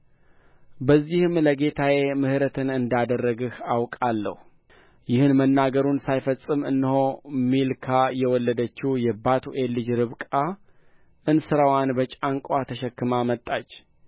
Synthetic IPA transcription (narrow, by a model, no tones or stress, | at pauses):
bəzːihɨmləɡe̞t̪ʰawe̞mɨhɾət̪ʰɨnɨnd̪ad̪ərːəɡɨhawkʼalːə̰hu | jɪhɨnmənːaɡəɾunsajfəsʼɨmɨ̰nːɨho̞milkʰajɛwɔlːəd̪ət͡ʃːɪjɛbat̪ʰuʔelːɨd͡ʒɾɨβkʼa | ʔɨnsɨɾawanbət͡ʃʼaŋkʼat̪ʰəʃɛkːɨmamət̪ʼːat͡ʃː